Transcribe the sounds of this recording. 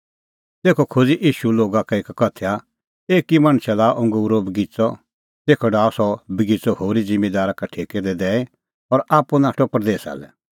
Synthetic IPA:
t̪eːkʰɔkʰod͡ziʔiːʃuloːɡakaeːkkɐt̪ʰeja | eːkimaɽ̃sʰɛlaʔʊ̃ŋɡuːɾobɪɡit͡sɔ | t̪eːkʰɔɖaːɔsɔbəɡit͡sɔhoːɾid͡zɪ̃mːed̪aːɾakaʈʰeːked̪ɛd̪ɛːe | ɔɾaːpunaːʈʰɔpɾd̪eːsa̰ːlɛ̰

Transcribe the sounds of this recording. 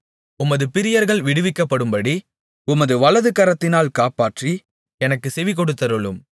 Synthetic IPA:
ʊmɐðɯpɪɾɪjɐɾɣɐɭʋɪɽɯʋɪkːɐpːɐɽɯmbɐɽi | ʊmɐðɯʋɐɭɐðɯkɐɾɐt̪ːɪnaːlkaːpaːʈri | ɛnɐkːɯsɛʋɪk̬ːɔɽɯt̪ːɐɾɯɭɯm

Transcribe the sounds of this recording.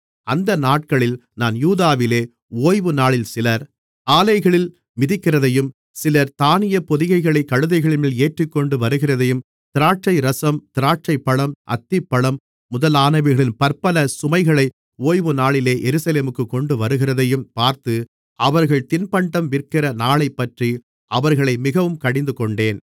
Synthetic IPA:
ʔɐnd̪ɐnaːʈ̚kɐɭɪlnaːnjuːðaːʋɪleː | oːjʋɯnaːɭɪlsɪlɐɾ | aːlɐɪɣɐɭɪl | mɪðɪkːɪrɐðɐjɯm | sɪlɐɾt̪aːnɪjɐpɔðɪɣɐɪɣɐɭɐɪkːɐɻɯðɐɪɣɐɭɪmɪleːʈrɪkːɔɳɖɯʋɐɾɯɣɪrɐðɐjɯm | t̪ɪɾaːʈ̚t͡ʃɐɪɾɐsɐmt̪ɪɾaːʈ̚t͡ʃɐɪpːɐɭɐmʔɐ̰t̪ːɪpːɐɭɐmː | ʊðɐlaːnɐɪʋɪɾɣɐɭɪnpɐɾpɐlɐsʊmɐɪɣɐɭɐɪ | oːjʋɯnaːɭɪleːʔɛɾɯsɐleːmɯkːɯkɔɳɖɯʋɐɾɯɣɪrɐðɐjɯmpaːɾt̪ɯ | ʔɐʋɐɾɣɐɭt̪ɪnpɐɳɖɐmʋɪrkɪrɐnaːɭɐɪpːɐʈri | ʔɐʋɐɾɣɐɭɐɪmɪɣɐʋɯmkɐɽɪnd̪ɯkɔɳɖeːn

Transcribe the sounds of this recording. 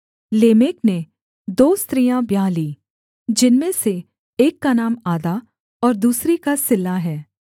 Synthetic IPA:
leːmeːkne | d̪oːst̪ɾijãbjaːliː | d͡ʒɪnmẽse | eːkːanaːmaːd̪a | ɔːɾd̪uːsɾikasɪlːaɦɛː

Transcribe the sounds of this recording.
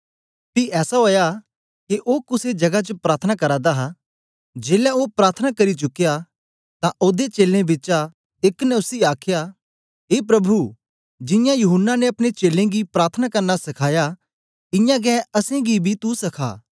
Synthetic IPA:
piɛːsaɦoːja | kiʔoːkʊsed͡ʒɐɡat͡ʃəpɾaːɾt̪ʰənakɐɾãːd̪aɦa | d͡ʒeːljaoːpɾaːɾt̪ʰənakɐɾit͡ʃʊkːja | t̪ãʔoːd̪et͡ʃeːlẽbɪt͡ʃa | ɪknɛ̃ʊsiaːkʰja | ɦeːpɾɐbʱu | d͡ʒɪ̃jãjʊɦʊnːaneɐpɽñet͡ʃeːlẽɡipɾaːɾt̪ʰənakɐɾnasɐkʰaːja | ɪjãɡɛ̃ːɐsẽɡibʱit̪usɐkʰa̰ː

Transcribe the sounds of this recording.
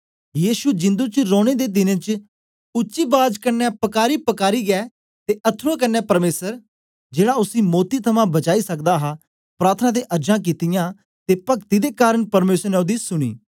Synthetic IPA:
jiːʃud͡ʒɪ̃nd̪ut͡ʃɾoːɽ̃ed̪eːd̪ɪnẽːt͡ʃ | ʊtːʃiːbaːd͡ʒkɐnːɛpɐkaːɾipɐkaːɾiːɡɛː | t̪eɐt̪ʰuãk̬ɐnːɛpɐɾmeːsəɾ | d͡ʒeːɽaʊsimoːt̪it̪ʰɐmãbɐt͡ʃaːisɐkd̪aɦa | pɾaːɾt̪ʰənãːd̪eːʔɐɾd͡ʒãːk̬it̪ɪjãː | t̪epɐkt̪id̪ekaːɾəɳpɐɾmeːsəɾnɛd̪isʊɽ̃ḭː

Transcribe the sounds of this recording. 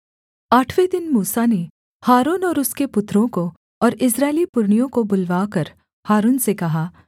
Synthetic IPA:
aːʈʰʋed̪ɪnmuːsane | haːɾuːnɔːɾʊskepʊt̪ɾõko | ɔːɾɪsɾaːɪlipʊɾɳijõkobʊlʋaːkɐɾ | haːɾuːnsekɐɦaː

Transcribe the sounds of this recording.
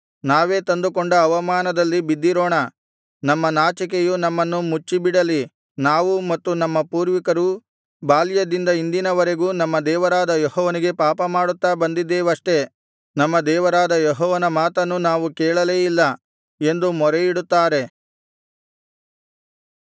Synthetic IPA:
naːʋe̞ːt̪ɐnd̪ukoɳɖɐːʋɐmaːnɐd̪ɐlːibid̪ːiɾoːɳɐ | nɐmːɐnaːt͡ʃɐk̬ejunɐmːɐnːumut͡ʃːibiɽɐli | naːʋumɐt̪ːunɐmːɐpuːɾʋikɐɾu | baːljɐd̪ind̪ɐind̪inɐʋɐɾe̞ɡuːnɐmːɐd̪ɛːʋɐɾaːd̪ɐjɔɦɔːʋɐniɡe̞paːpɐmaːɽut̪ːaːbɐnd̪id̪ːeːʋɐʂʈe̞ | nɐmːɐd̪ɛːʋɐɾaːd̪ɐjɔɦɔːʋɐnɐmaːt̪ɐnːunaːʋukɛːɭɐleːjilːɐ | e̞nd̪umɔɾejiɽut̪ːaːɾe̞

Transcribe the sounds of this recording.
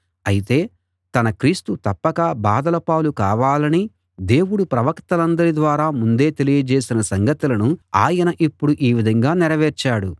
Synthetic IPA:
ɐjit̪e̞ː | t̪ɐnɐkɾiːst̪ut̪ɐpːɐkɐbaːd̪ɐlɐpaːlukaːʋaːlɐni | d̪e̞ːwuɽupɾɐʋɐkt̪ɐlɐnd̪ɐɾid̪ʋaːɾaːmund̪e̞ːt̪e̞lijɐd͡ʒeːsinɐsɐŋɡɐt̪ulɐnuaːjɐnɐʔipːuɽuʔiːʋid̪ʱɐŋɡaːnɛɾɐʋɛːɾt͡ʃaːɽu

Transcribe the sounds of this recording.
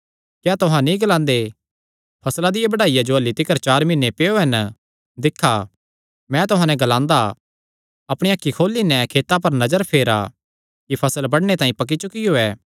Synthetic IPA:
kjaːt̪ʊɦãnĩɡɐlãːnd̪e | pʰɐslad̪ɪjabɐɽaːijad͡ʒoɐlːit̪ɪkəɾt͡ʃaːɾmɪnːepeːoɦɐn | d̪ɪkʰːa | mɛ̃t̪ʊɦãːnɛ̃ɡɐlãːnd̪a | ɐpɽ̃ejaːkːikʰoːlːinɛ̃kʰeːt̪ap̬ɐɾnɐd͡ʒəɾpʰeːɾa̰ | kipʰɐsəlbɐɽñet̪aːĩpɐk̬it͡ʃʊkioːɛː

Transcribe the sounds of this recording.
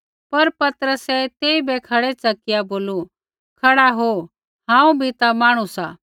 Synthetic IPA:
pɐɾpɐt̪əɾəsɛt̪eːibʱɛkʰɐɽɛt͡sɐkɪjaboːlu | kʰɐɽaɦo | ɦãːũbʱit̪amaːɽ̃usaː

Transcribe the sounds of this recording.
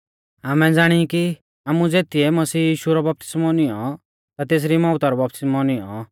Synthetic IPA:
amɛd͡zaːɽ̃iki | aːmud͡zeːt̪iɛmɐsiːjiːʃuɾɔbɐp̚t̪ɪ̥smɔnɪjɔ | t̪at̪eːs̬ɾimɔʊt̪ɔɾɔbɐp̚t̪ɪsmɔnɪjɔ̰

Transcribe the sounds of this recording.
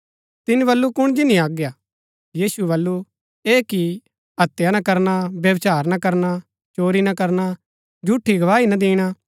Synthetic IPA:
t̪ɪnĩbɐlːukʊɽ̃d͡ʒɪnĩaːɡjaː | jiːsuebɐlːu | eːki | ɦɐt̪ːjanɐ̃kɐɾnabjɐʋt͡ʃaːɾnɐkɐɾna | t͡ʃoːɾinɐkɐɾna | d͡ʒuʈʰːiɡɐʋaːinɐ̃d̪ĩːɽ̃a

